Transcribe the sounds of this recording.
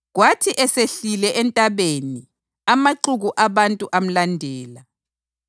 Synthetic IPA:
ɣwatʰiʔɛseɬilɛʔɛntʼaβeni | amaǃuɣuʔaβantʼuʔam̩landʱɛːla

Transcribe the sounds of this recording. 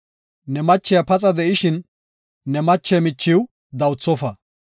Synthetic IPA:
nɛmɐt͡ʃːɪjɐpɐt͡sʼɐd̪ɛʔɪʃɪnː | ɛmɐt͡ʃːɛmɪt͡ʃːɪw | d̪ɐwt͡sːɔfɐ

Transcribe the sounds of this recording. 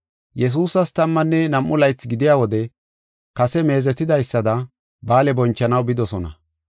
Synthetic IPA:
jɛs̬uːsɐst̪ɐmːɐnːɛnɐmʔːʊlɐjt͡sːɡɪd̪ɪjaːwɔd̪ɛ | kɐsɛme̞ːzɛt̪ːɪd̪ɐjsːɐd̪ɐ | baːlɛbɔnt͡ʃːɐnɐwbɪd̪ɔsɔnɐ̰

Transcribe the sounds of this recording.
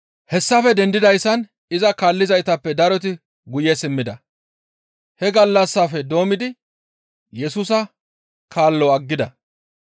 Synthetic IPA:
hɛsːɐfɛd̪ɛnd̪ɪd̪ɐjsːɐn | ɪzɐkaːlːɪzɐjt̪ɐpːɛd̪ɐɾɔt̪̬ɪ | ɡʊjɛsɪmːɪd̪ɐ | hɛɡɐlːɐsːaːfɛd̪o̞ːmɪd̪ɪ | jɛsuːsɐ | kaːlːɔɐɡːɪd̪ɐ

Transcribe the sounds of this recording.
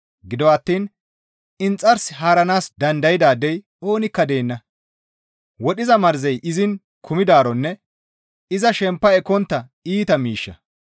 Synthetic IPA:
ɡɪd̪ɔɐt̪ːiːn | ɪnt͡sʼːɐɾsɪɦaːɾɐnaːsd̪ɐnd̪ɐjɪd̪aːd̪ɛj | o̞ːnɪkːɐd̪e̞ːnːɐ | wɔɗɪzɐmɐɾzɛjʔɪzɪn | kʰʊmɪd̪aːɾɔnːɛ | ɪzɐʃɛmpːɐɛkːɔnt̪ːɐ | iːt̪ɐmiːʃːɐ̰

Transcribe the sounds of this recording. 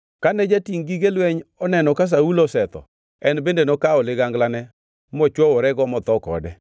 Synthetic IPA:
kanɛd͡ʒatiŋɡiɡelweɲɔnɛnɔkas̬aulosɛt̪ɔ̰ | ɛnbendenɔkaɔlɪɡaŋɡlanɛ | mɔt͡ʃwɔwɔɾɛɡɔmɔt̪ɔkɔ̰dɛ

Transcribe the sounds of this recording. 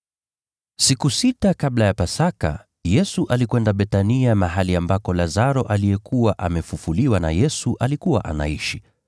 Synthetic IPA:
sikusitakablajapasaka̰ | jɛsuʔalikwɛndaɓɛtaniamaɦaliambakɔlazaɾɔʔalijɛkuwaʔamɛfufuliwana̰jɛsuʔalikuwaʔa̰na̰iʃi

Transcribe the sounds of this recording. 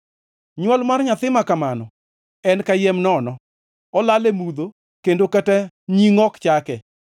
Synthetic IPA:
ɲwɔlmarɲat̪ɪmakamanɔ | ɛnkajɛmnɔnɔ | ɔlalemud̪o | kendokətɛ | ɲiŋɔkt͡ʃakɛ

